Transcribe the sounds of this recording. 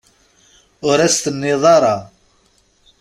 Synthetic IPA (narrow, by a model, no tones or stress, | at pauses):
ʊɾæst̪ənːeðˤɑɾˤɑ